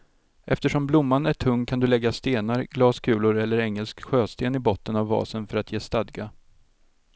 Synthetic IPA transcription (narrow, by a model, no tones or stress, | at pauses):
ʔɛft̪əʂɔmblʊmːanæʈʰɵŋːkʰand̪ɵlɛɡːast̪eːnaɾɡlɑːskʰʉ̟ːlʊɾɛlːəɾɛŋːəlskɧøːst̪eːnɪbɔt̪ːənavːɑ̰ːsənfœɾat̪jeːst̪ad̪ɡa